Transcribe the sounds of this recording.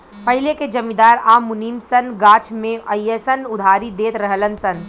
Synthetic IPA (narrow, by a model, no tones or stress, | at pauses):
pɐɦileked͡ʒɐmid̪aːɾaːmʊniːmsənɡaːt͡ʃʰmẽʔɐjəsənʊd̪ʱaːɾid̪eːt̪ɾəɦələnsən